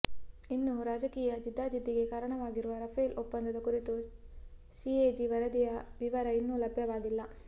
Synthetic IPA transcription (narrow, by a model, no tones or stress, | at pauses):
inːuɾaːd͡ʒɐkiːjɐd͡ʒid̪ʱːaːd͡ʒid̪ːiɡe̞kaːɾɐɳɐʋaːɡiɾuʋɐɾɐfʰɐjlʔɔpːɐnd̪ɐd̪ɐkuɾit̪u | sieːd͡ʒiʋɐɾɐd̪ijɐʋiʋɐɾɐinːulɐbʱjɐʋaːɡilːɐ